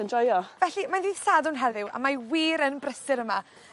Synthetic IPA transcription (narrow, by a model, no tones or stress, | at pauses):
ənd͡ʒajɔvɛɬimandiːðsaːdʊnɦɛðɪwa̰majwiːɾənbrəsɪɾəma